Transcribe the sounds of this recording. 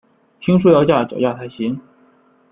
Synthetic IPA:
t̪ʰi˥ŋʂu˥˧jɑ˥˧ʊt͡ɕja˥˩t͡ɕjɑ˨˩ʊt͡ɕja˥˩t̪ʰa˧˥ɪɕi˧˥ŋ

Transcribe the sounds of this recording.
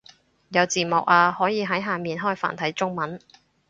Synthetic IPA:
jɐ˨˧wt͡siː˨mʊ˨k̚aː˧hɔː˨˥jiː˨˧ɦɐ˨˥jɦaː˨˩miː˨nɦɔː˥jfa̰ː˨˩nt̪ʰɐ˨˥jt͡sʊ˥ŋmɐ˨˥n

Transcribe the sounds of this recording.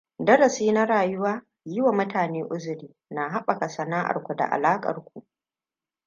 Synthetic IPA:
dɐ˦ɾɐ˨siː˦na˦ɾaː˨jʊ˦waː˦ | jɪ˦wa˨mʊ˦taː˨neː˦ʔʊ˦zʊ˨ɾiː˨˦na˨ɦa˦ɓa˨ka˨sɐ˨naː˦ʔa̰˨rkʷu˨da̰˨ʔa̰˨laː˦kʼɐ̰˨rkʷu˨ʔ

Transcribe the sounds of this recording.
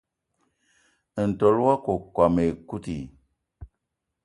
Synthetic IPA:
n̩˨to˨˦lwa˦ko˨kwa˨me˨ku˦ti˨

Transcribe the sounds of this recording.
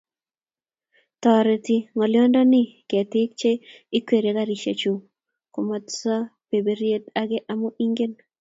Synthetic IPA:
t̪ɔ˨ɾe˨t̪i˨ŋɔ˨ljɔ˦ndɔ˦nɪ˦ke˨tɪ˦k̚t͡ʃe˦i˦kwe˨ɾe˨ɡa˦ɾi˨ʃḛ˨t͡ʃu˨ | ko˨ma˨tsa˦pe˨be˨ɾje˦ta˨ɡɪ˦ʔa˨mu˦ʔi˦ŋɡe˦n

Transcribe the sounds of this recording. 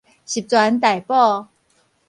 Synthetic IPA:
ɕi˨p̚t͡swa˧˦nt̪̬a˨˩jpɔ˥˧

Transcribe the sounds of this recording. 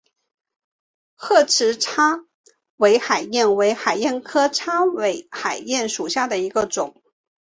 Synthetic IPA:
xɤ˥˩ʈ͡ʂʰɻ̩˧˥ʈ͡ʂʰa˥ | we˧˥ɪxa˨˩ɪjɛ˥˩nwe˧˥ɪxa˨˩ɪjɛ˥˩nkʰɤ˥ʈ͡ʂʰa˥we˧˥ɪxa˨˩ɪjɛ˥˩nʂu˨˩ɕja˥˩d̪ə˩i˧˥ɡə˧ʈ͡ʂʊ˨˩˦ŋ

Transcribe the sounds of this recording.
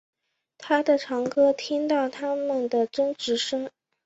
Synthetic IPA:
t̪ʰa˥d̪ə˨ʈ͡ʂʰɑ˧˥ŋkʰɤ˥t̪ʰi˥ŋt̪ɑ˥˩ʊt̪ʰa˥mə˨nd̪ə˩ʈ͡ʂɤ˥ŋʈ͡ʂɻ̩˧˥ʂɤ˥ŋ

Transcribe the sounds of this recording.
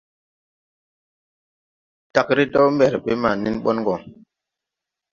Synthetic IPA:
ta˨kɾi˦dɔ˦mbɛ˨ɾɓe˦ma˨ni˦nɓɔ̰˦nɡɔ˨ŋ

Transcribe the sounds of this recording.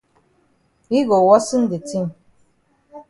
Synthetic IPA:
i˦ɡo˨wɔ˦sɨ˦n̩˦di˨ti˦˨ŋ

